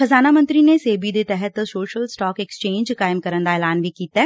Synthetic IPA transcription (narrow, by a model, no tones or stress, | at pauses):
xəzaːnamə̃nt̪ɾiːneseːbid̪eːt̪ɛɦət̪soːʃəlsʈaːkɛkst͡ʃẽːɲd͡ʒkaːɪmkəɾənd̪aeːlaːnʋiːkiːt̪aː